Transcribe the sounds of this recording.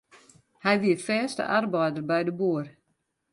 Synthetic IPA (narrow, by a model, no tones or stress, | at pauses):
hɛjʋiəfɛːstə̰ʔarbɔjdərbɛjdəbuər